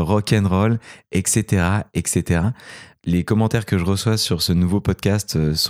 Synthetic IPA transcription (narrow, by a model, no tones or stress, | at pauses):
ʁɔkʲɛnʁɔlɛkset̪eʁaɛkset̪eʁalekɔmɑ̃t̪ɛʁkəʒəʁəswasyʁsənuvopɔd̪̚kʲast̪øs